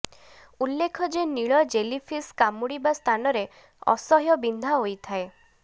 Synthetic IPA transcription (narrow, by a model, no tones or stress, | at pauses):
ulːekʰɔd͡ʒeniɭɔd͡ʒelipʰiskamuɽibast̪ʰanɔɾe | ɔ̰sɔɦjɔbind̪ʱaɦojt̪ʰae